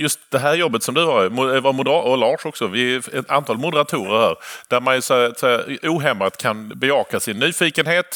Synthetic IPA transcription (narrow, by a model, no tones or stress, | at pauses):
jɵst̪̚d̪ɛɦæːɾjɔbːət̪sɔmd̪ɵvɑɾmʊvaɾmʊd̪ɔlɑːʂɔksɔvɪɛant̪ʰɑːlmʊd̪əɾat̪ʰuːɾəɾhæ̰ːɾd̪̥æɾmanæsɔt̪sɛuːɦɛmat̪kʰanbɛɑːkasɪnːyːfiːkənɦeːt̪